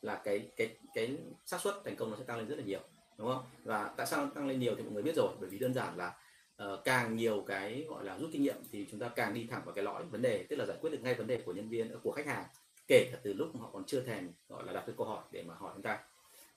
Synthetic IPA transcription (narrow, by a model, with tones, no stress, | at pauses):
laː˨˩kaː˨˦jkaː˨˦jkaː˨˦jsaː˦˥t̚swə˦˥t̚t̪ʰɛ˨˩ŋ̟kə˧wŋ͡mɔ˦ɛ̰˧˥t̪a˧ŋle˧nzə˦˥tlaː˨ɲi˨˩əw | ɗʊ˨˦ŋ͡mxə˧wŋ͡mvaː˨˩t̪a̰ː˧˨saː˧wnɔ˧˦˧t̪a˧ŋle˧nɲi˨˩əwt̪ʰi˨mɔ̰˨jŋ˨ɓi˦˥t̚zo˨˩jɓəː˧˩jvi˨˩ɗəː˧nzaː˧˩nlaː˨˩ | ʔəː˨˩kaː˨˩ŋɲi˨˩əwkaː˨˦jɣɔ̰˧˨jlaː˨˩zu˦˥t̚ki˧ŋɲḭ˧˨əmt̪ʰi˨˩t͡ɕʊ˨˦ŋ͡mt̪aː˧kaː˨˩ŋɗi˧t̪ʰa˧˩ŋvaː˨˩kaː˨˦jlɔ̰˧˥jvə˨˦nɗe˨˩t̪ɨ˦˥k̚laː˨˩aː˧˩jkwt̚kŋa˧jvə˨˦nɗe˨˩ku˧˩əɲə˧nvi˧ənː˨˧˩ku˧˩əxa˦˥k̚haː˨˩ŋ | ke˧˩ka˨˩t̪ɨ˨˩lʊ˦˥k͡p̚ma˨˩hɔ̰˧˨kɔ˨˩nt͡ɕɨ˧ət̪ʰɛ˨˩mɣɔ̰˧˨jlaː˨˩ɗa˨˩kːaː˨˦kə˧whɔ˧˩jɗe˧˩maː˨˩hɔ˧˩jt͡ɕŋ͡mt̪aː˧j